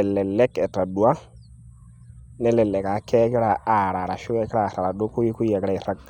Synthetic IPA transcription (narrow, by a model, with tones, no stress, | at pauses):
ɛlɛ˨lɛ˦kɛ˨ta˨dwa˦ | nɛ˦lɛ˨lɛ˨ka˨˦kɛ˦kɛ˦ɾa˨a˨ɾa˨ɾa˨ʃu˦kɛ˦kɛ˦ɾa˨ra˨βa˨do˦ku˦i˦ku˦i˦a˨kɛɾa˨i˨ɾa˦k